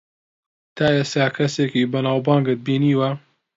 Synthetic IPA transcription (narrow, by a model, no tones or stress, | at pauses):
t̪ʰaːjeːst̪aːkʰɐseːkiːbɐnaːwbɑːŋɡɨt̪̚biːniːwɐ